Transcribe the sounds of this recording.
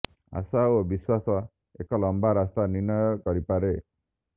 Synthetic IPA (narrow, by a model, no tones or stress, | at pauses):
a̰saobiswasɔ | ekɔlɔmbaɾast̪aniɾnɔjɔkɔɾipaɾe